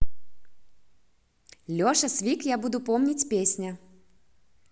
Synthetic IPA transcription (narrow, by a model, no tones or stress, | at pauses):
lʲɔʂɐsʲvʲikjabud̪upɔmnʲit͡sʲpʲesʲnʲɐ